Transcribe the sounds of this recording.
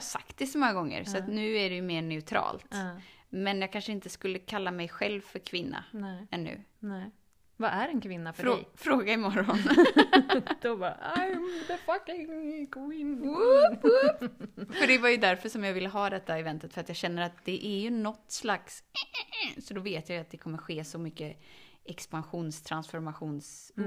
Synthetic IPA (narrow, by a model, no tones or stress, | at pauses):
hasa̰kt̪̚d̪ɛsɔmɔŋːaɡɔŋːə̰ɾsɔat̪nʉ̟ːæɖɛjɵmeːɳɛʉt̪ʰɾɑ̰ːlt̪mɛnjɑːɡkʰanʂəɪnt̪əskɵlːəkʰalːamɛjɧɛlvfœɾkʰvɪnːa̰ɛnːʉ̟̰ː | vaʔæɾɛnkʰvɪnːafœɾɛ̰fɾoːɡaɪmɔɾɔn | d̪̥ɔbɑ̰aɪðəfakɪŋkʰɔmɪn | fœɖɛvajɵd̪æɾfœʂɔmjɑːɡvɪlːəɦɑːd̪ɛt̪ʰːaɛvɛnt̪ət̪fœɾat̪jɑːɡɕɛnːəɾat̪̚d̪ɛʔæɾjɵnɔt̪ːslaks | sɔd̪ɔveːt̪jajɵat̪̚d̪ɛkʰɔmːəɧeːsɔmʏkːə | ʔɛkspanɧuːnst̪ʰɾansfɔɾmaɧuːns